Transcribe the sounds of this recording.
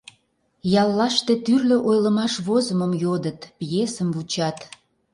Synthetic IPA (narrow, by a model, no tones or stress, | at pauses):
jɑlˠːɑʃt̪et̪yrlø̆ʔojləmɑʃβozəməmjod̪ət̪pjesəmvut͡ɕɑt̪